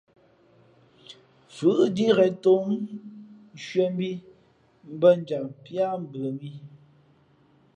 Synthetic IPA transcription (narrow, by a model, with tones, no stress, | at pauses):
fʉ˨ʔdi˦ɣɛ˨to˦m˦ | ʃɥɛ˦m˦bi˦ | m̩˦bə˦n˦d͡ʒa˨ŋpja˦m̩˨bə˨bi˦